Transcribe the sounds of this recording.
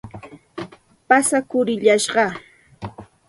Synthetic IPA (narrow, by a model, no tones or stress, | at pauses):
pasakʊɾɪʎaʃɢɑ